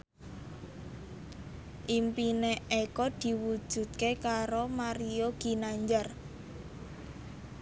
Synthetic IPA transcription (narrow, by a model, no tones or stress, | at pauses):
ʔimpineekɔd̪̥i̤wud̥ʒ̥ṳt̪̚kekaɾomaɾijoɡ̥i̤naɲd͡ʒar